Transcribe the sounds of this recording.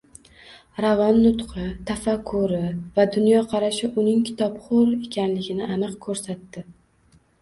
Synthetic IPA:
ɾavanːʊt̪qʰɨt̪ʰafakʰːʊɾɪvad̪ʊnjɒqʰɑɾaʃɪʔʊnɪŋkʲʰɪ̥t̪ʰɒpχoɾe̞kʲʰanlɪɡʲɪnɪʔanɨqkʰɵɾsat̪ːɪ

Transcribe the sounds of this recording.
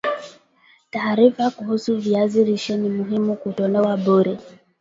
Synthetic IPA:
taːɾifakuhusuviaziɾiʃɔnimuɦimukutɔnɛwaɓuɾɛ

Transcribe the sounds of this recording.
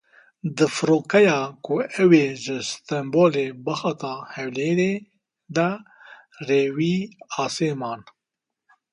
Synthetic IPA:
d̪ɨfɨɾoːkɛjɑːkuɛweːʒɨst̪ɛmboːleːbɐxɑt̪ɑːhɛwleːɾe | d̪a | reːwiːɑːseːmɑːn

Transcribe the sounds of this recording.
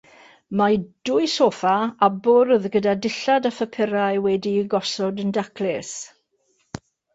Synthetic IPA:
mad̥ʊɨsoːfaabʊɾðɡədadɪɬadafəpʰɪɾaɨwɛdiɡɔsɔdəndakʰlɛs

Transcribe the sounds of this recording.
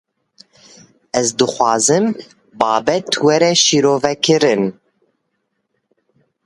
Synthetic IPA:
ɛzd̪ɨxʷɑːzɨm | bɑːbɛt̪ʰwɛɾɛʃiɾoːvɛkʰɨɾɨn

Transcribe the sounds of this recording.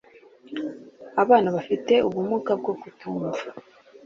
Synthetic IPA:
aβaːnaβafite̞ʔuβumukab̚ɡo̞ɡutuːɱva

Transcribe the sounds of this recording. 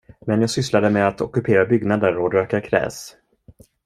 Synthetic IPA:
mɛnjaːɡsʏslad̪əmɛat̪ɔkɵpʰeːɾabʏɡnad̪əɾod̪øːkakʰɾɛ̰ːs

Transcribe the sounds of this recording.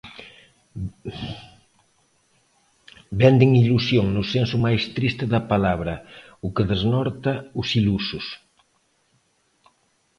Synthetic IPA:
bɛnd̪eŋilusjoŋnʊsensʊmajst̪ɾist̪ɪðɐpalaβ̞ɾɐ | ukeðeznɔɾt̪ɐusilusʊs

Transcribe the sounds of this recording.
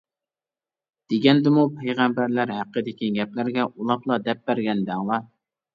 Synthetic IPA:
d̪̥eɡʲɛnd̪ɪmupʰɛjʁæmbæɾlæɾɦæqːəd̪ɪkʲiɡʲɛplæɾɡʲɛʔulˠɑplˠɑd̪ɛp̚bæɾɡʲɛnd̪æŋlˠɑ

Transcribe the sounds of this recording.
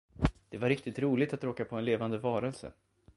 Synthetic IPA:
d̪̥ɛvaɾɪk̚t̪ɪt̪ɾuːlɪt̪at̪ɾoːkapʰɔɛnleːvand̪əvɑːɾəlsə̰

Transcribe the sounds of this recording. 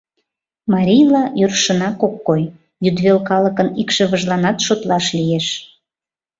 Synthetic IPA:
mɑɾʲijlɑjørʃənɑkokːoj | jyd̪βelkɑləkənikʃə̆βəʒlɑnɑt̪ʃot̪lɑʃlijeʃ

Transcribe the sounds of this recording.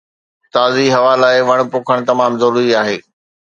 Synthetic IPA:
t̪aːziɦɐʋaːlaːɪʋɐɽ̃poːkʰəɽ̃t̪ɐmaːmzɐɾuːɾiaːɦeː

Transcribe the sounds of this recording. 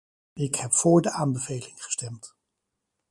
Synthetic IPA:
ɪkhɛpfʊːɹdəʔaːnbəvejlɪŋχə̥stɛmt

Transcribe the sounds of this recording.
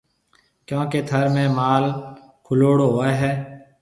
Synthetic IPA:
kjõːkeːt̪ʰəɾmẽːmaːl | kʰʊloːɽoɦoːeːɦɛː

